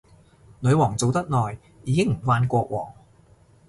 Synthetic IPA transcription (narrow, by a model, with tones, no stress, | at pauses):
nɵ˨˧ɥwɔː˨˩ŋt͡so˨wt̪ɐ˥t̚nɔː˨˩j | jiː˨˧kɪ˥ŋm̩˨˩faː˧nkʷɔː˧k̚wɔ̰ː˨˩ŋ